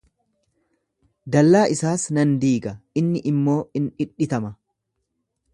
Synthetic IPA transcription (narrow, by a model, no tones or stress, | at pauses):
d̪ɐlːaːʔɪsaːsnɐnd̪iːɡɐɪnːɪʔɪmːo̞ːɪnᶑɪᶑːɪt̪ɐmɐ